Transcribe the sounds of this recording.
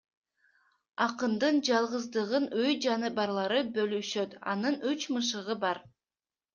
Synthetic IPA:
ɑqɯnd̪ɯnd͡ʒɑlˠʁɯzd̪ɯʁɯnøjd͡ʒɑnɯbɑɾlˠɑɾɯbølyʃøt̪ɑ̰nɯnyt͡ʃmɯʃ̬ɯʁɯbɑɾ

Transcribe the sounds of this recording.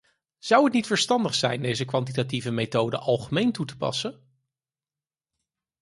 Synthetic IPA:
z̥ʌwətnitfəɹstɑndəχsɛjndejzəkʋɑntitativəmejtowdə̰ʔɑlˠχəmejntutə̥pɑ̰sə

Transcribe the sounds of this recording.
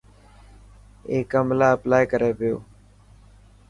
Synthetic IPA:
eːkəmlaːəplaːjkəɾeːʋɪjo̰ː

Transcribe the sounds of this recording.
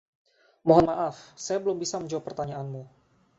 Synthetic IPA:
moɦɔnmaʔafsajabəlʊmbisaməɲd͡ʒawapːərt̪aɲaanmu

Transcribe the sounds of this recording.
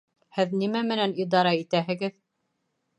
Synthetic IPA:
hɘðnimæmɘ̆nænid̪ɑɾɑit̪æɦɘ̆ɡɘð

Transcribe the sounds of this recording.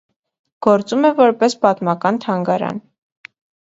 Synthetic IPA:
ɡ̥ɔɾt͡sumɛvɔɾpɛspɑt̪mɑkɑnt̪ʰɑŋɡɑɾɑ̰n

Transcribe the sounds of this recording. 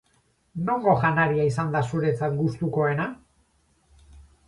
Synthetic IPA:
no̞ŋɡo̞ʝanaɾiaisand̪asuɾe̞t͡sat̪ɡust̪uko̞e̞na

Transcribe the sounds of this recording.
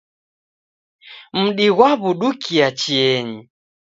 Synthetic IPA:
m̩ɗiɣwaβuɗukʰiat͡ʃiɛɲi

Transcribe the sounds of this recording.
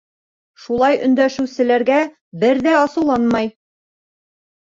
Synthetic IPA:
ʃulˠɑjɵ̆nd̪æʃɘ̆wsɘ̆læɾɡæ | bɘɾðæɑsɤ̆wlˠɑnmɑj

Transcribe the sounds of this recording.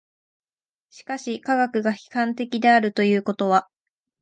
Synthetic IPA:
ɕi̥kaɕikaɡakɯ̟ɡaçi̥kãnt̪e̞kʲid̪e̞aɾɯ̟t̪o̞jɯ̟ːko̞t̪o̞βa

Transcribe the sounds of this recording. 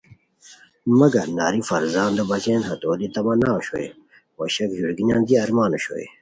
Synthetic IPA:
mɐɡɐnaːɾifɐɾzaːnd̪ɐbɐzeːnɦɐt̪oːd̪it̪ɐmɐnaːɕo̰ḛ | wɐɕɐkʑuɾɡinaːnd̪iɐɾmaːnoɕo̰ḛ

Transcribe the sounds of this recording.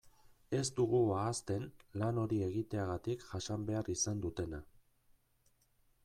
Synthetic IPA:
e̞zt̪uɣ̞uaːst̪e̞nlano̞ɾie̞ɣit̪e̞aɣat̪ikʝaʃambe̞arisand̪ut̪e̞na

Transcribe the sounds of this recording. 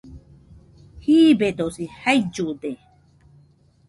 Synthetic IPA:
hiːbet̪osihajd͡ʒud̪e

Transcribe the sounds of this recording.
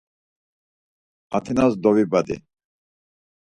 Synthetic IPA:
a̰t̪ʰinazd̪ɔvibad̪ḭ

